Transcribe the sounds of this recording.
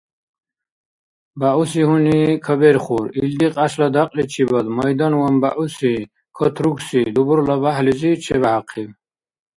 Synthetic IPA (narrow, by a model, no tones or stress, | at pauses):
baʔusiɦunikʰəbeɾχuɾild̪iqʼaslɐd̪aqʼlit͡ʃʰibəd̪məjd̪ɔnwɐmbaʔusi | kʰət̪ʰɾuksid̪ubuɾləbaɦlizit͡ʃʰebahaqʰib